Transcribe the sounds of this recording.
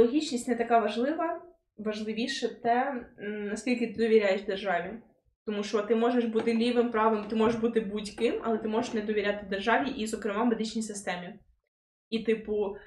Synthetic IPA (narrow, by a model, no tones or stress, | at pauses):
ɔɦʲit͡ʃnʲisʲtʲnɛt̪ɐkɑʋɐʒlˠɪʋɐ | ʋɐʒlˠɪʋʲiʃɛt̪ɛnɐsʲkʲilʲkʲɪt̪ɪd̪ɔʋʲiɾʲajeʃd̪erʒɑʋʲi | t̪ɔmuʃɔɔt̪ɪmɔʐeʃbut̪ɪlʲiʋɪmpɾɑʋɪmt̪ɪmɔʐeʒbut̪ɪbudʲkɪmɐ̰lˠɛt̪ɪmɔʒeʂʃnɛd̪ɔʋʲiɾʲat̪ɪd̪erʒɑʋʲiʔizɔkɾɪmɑmed̪ɪt͡ʃnʲijsɪst̪ɛmʲi | it̪ɪpʊ